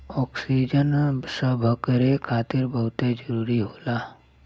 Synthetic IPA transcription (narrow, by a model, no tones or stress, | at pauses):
ɔːksid͡ʒənsəbʱəkəɾekʰaːt̪ɪɾbəɦʊt̪ed͡ʒəɾuːɾiɦoːlaː